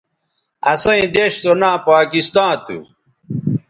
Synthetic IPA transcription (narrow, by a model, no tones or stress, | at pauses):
ɐsɐ̃ĩd̪eɕt̪onãːpaːkist̪ãːt̪ʰṵ